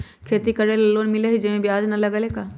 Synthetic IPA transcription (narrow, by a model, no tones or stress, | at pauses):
kʰeːt̪ikɐɾelɐlːoːnmɪleɦid͡ʒɐmẽbiaːd͡ʒnɐlɐɡalekaː